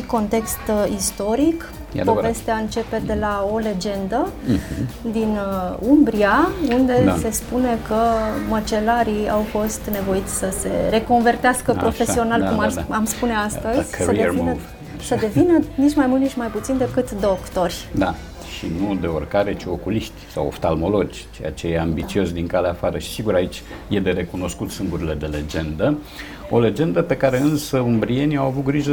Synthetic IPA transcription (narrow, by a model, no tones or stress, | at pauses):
iko̞nt̪e̞kst̪ist̪o̞ɾik | po̞ve̞st̪eaɨnt͡ʃe̞pe̞d̪e̞lao̞le̞d͡ʒe̞nd̪ə | d̪inumbɾiaund̪e̞se̞spune̞kəmət͡ʃe̞laɾiawfo̞st̪ne̞vo̞it̪sʲsəse̞̰ɾe̞ko̞nve̞rt̪easkəpɾo̞fe̞sio̞nalkumaamspune̞ast̪əzʲəevinə | səd̪e̞vinənit͡ʃmajmult̪nit͡ʃmajput̪sind̪e̞kɨt̪d̪o̞kt̪o̞rʲd̪a | ʃinud̪e̞orkaɾe̞t͡ʃio̞kuliʃt̪ʲsa̰wo̰fst̪almo̞lo̞d͡ʒʲ | t͡ʃe̞ja̰t͡ʃejeambit͡ʃio̞sd̪iŋkaleafaɾəʃi̥siɡuɾait͡ʃʲ | je̞d̪eɾe̞kuno̞skut̪sɨŋɡuɾile̞d̪e̞le̞d͡ʒe̞nd̪ə | o̞le̞d͡ʒe̞nd̪əpe̞kaɾe̞ɨnsəumbɾienʲiawavut̪̚ɡɾiʒə